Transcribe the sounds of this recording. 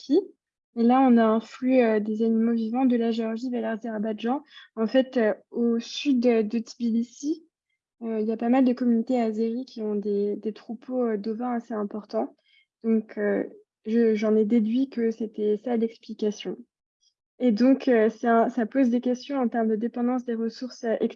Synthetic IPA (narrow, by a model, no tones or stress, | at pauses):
kʲʰi | elaɔ̃naɛ̃flyiød̪ezanimovivɑ̃d̪əlaʒeɔʁʒid̪əlaʁzeʁabad̪ʒɑ̃ɑ̃fɛt̪øosyd̪ød̪ət̪ʰibilisi | øiljapamald̪əkɔmynit̪eazeʁikʲʰiɔ̃d̪ed̪et̪χupʰoød̪ovɛ̃aseɛ̃pɔʁt̪ɑ̃ | d̪̥ɔ̃kʰø̰ | ʒəʒɑ̃nɛd̪ed̪ɥikəset̪ɛsalɛksplikasjɔ̃ | ed̪ɔ̃kʰøsɛɛ̃sapozd̪ekʲɛst̪jɔ̃ɑ̃t̪ɛʁmd̪əd̪epɑ̃d̪ɑ̃s̬d̪eʁəsuʁsøʔɛks